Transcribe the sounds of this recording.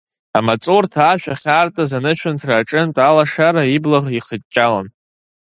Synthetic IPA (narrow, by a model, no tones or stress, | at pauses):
amat͡sʼortʰaːʃʷᶣaχʲaːrtʼazanɨʃʷᶣʰʊntʰraːʈ͡ʂʼɨntʼalaʂaɾaiblaʁiχət̚ʼt͡ʃʲʼala̰n